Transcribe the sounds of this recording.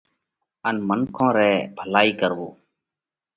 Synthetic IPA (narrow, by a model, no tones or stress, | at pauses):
ənmənkʰõːɾɛːbʱəlaːiːkəɾʋoː